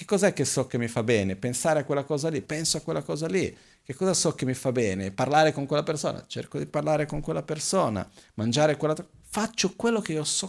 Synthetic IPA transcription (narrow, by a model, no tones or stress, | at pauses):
k̟ekːɔːzaɛkːesɔkːemːifabːɛːnepensaːɾeakwelːakɔːzalipɛnsoakːwelːakɔːzali | kekːɔːzasɔkemːifabɛːneparlaːɾekoŋkwelːaperso̰ːna̰t͡ʃḛrkod̪iparlaːɾekoŋkwelːapersoːna̰mand͡ʒaːɾekwelːat̪ | fat͡ʃːokwelːokeiːosɔ